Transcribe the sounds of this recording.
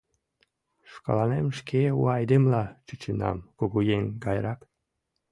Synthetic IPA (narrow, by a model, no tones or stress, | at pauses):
ʃkɑ̰lɑnemʃkʰeuɑjd̪emlɑt͡ʃɨt͡ɕenɑ̰mkoɣujenɡɑjrɑk